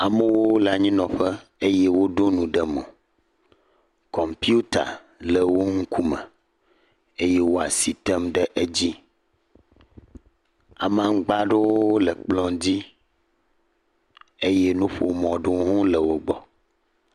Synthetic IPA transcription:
a˨mə˦wo˦la˨ɲĩ˦nɔ̃˨ɸɛ˦e˦jɛ˦wo˦ɖo˦nũ˨ɖɛ˨mõ̰˨ | kɔ˨mpi˦u˦t̪a̰˨ | lə˨wo˦ŋ̩˦ku˦mɛ̰̃˨ | e˦je˦wo˦a̰˨si˨t̪ɛ˦mɖɛ˦ʔe˦d͡ʑi˦ | a˨mã˦ŋ˦ɡ͡ba˦ɖe˦wo˦lə˨k͡plɔ̃˦d͡ʑi˦ | e˦je˦nũ˦ɸo̰˨mɔ̃˨ɖo˦ɦũ˦lə˨wo˦ɡ͡bɔ˨

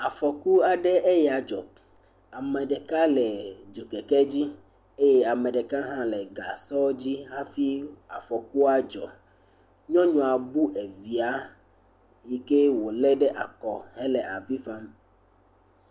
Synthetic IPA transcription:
a˨fɔ˨ku˦a˨ɖɛ˦ʔe˦ja˨d͡ʒɔ̰˨ | a˨mɛ̃˨ɖɛ˨ka˦lɛ˨d͡ʒo˨kɛ˨kɛ˦d͡ʑi˦ | e˦je˦a˨mɛ̃˨ɖɛ˨ka˦ɦã˦lɛ˨ɡa̰˨sɔ˦d͡ʑi˦ɦa˦fi˦a̰˨fɔ˨ku˦a˦d͡ʒɔ̰˨ | ɲɔ̃˦ɲɔ̃˨a˨bu˦ʔe˨vi˨a˦ | ji˦ke˦wo˨lɛ˦ɖɛ˦ʔa̰˨kɔ˨he˦lɛ˨ʔa˨vi˦fa˦m

